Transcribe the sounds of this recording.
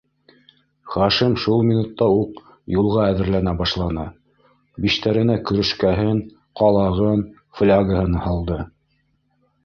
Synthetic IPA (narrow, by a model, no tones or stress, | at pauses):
χɑʃimʃulˠmʲinut̪ːɑuq | julˠʁɑæðɘ̆ɾlænæbɑʃlˠɑnɤ | biʃt̪æɾɘ̆nækɵ̆ɾɵ̆ʃkæɦɘn | qɑlˠɑʁɤn | flʲaɡəhɤnhɑlˠd̪ɤ